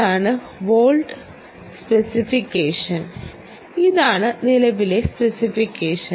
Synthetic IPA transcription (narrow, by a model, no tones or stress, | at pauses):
aːɳɨ | ʋoːlɖ | spesifikːeːʂɐn | iðaːɳɨnilɐʋile̞spesifikːeːʂɐ